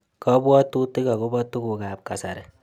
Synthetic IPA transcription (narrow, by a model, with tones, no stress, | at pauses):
kɔ˦bwɔ˦tu˦ti˦ka˨ku˦bɔ˦tu˦ku˨ka˨p̚ka˨sa˨ɾe˨